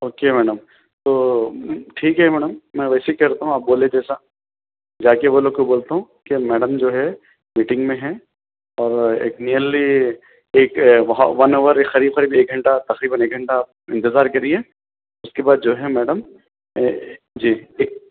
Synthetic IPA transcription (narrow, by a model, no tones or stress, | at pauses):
oːkemɛːɖəm | t̪oː | ʈʰiːkɦɛmɛːɖəmːɛ̃ʋɛːseikɐɾt̪aɦũaːp̚boːled͡ʒɛːsa | d͡ʒaːkeboːlokoboːlt̪aɦũ | kemɛːɖəmd͡ʒoːɦɛ | miːʈɪ̃ŋɡmẽɦɛ | ɔːɾḛːkniːəlli | eːkʋɐɦa̰ʋɐnoːʋəɾekxɐɾiːbxɐɾiːbeːk̚ɡʱɐɳʈat̪ɐqɾiːbəneːk̚ɡʱɐɳʈaːp̚ɪ̃nt̪ɪzaːɾkɐɾiẽː | ʊskebaːd̪̚d͡ʒoːɦɛmɛːɖəm | d͡ʒiːeːk̚